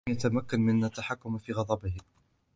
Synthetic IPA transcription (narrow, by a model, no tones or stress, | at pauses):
jat̪amakːanmɪnːat̪ːaħakːʊmfiːɣɑd̪ˤɑbɪh